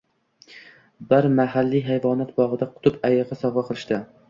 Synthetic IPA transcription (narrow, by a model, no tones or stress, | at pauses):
bɪɾmaɦalːiɦajvɒnat̪bɒʁɨd̪aqʰʊ̥t̪ʰʊpajɨʁɨsɒvɑqʰɨlˠɪʃt̪ɪ